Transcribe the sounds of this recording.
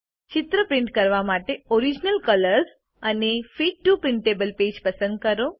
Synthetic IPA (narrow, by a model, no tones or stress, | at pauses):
t͡ʃɪt̪ɾəpɾɪ̃ɳʈkəɾʋamaʈeoɾid͡ʒnəlkələɾz | ənefiʈːupɾɪɳʈebəlped͡ʒpəsə̃nd̪̚kəɾo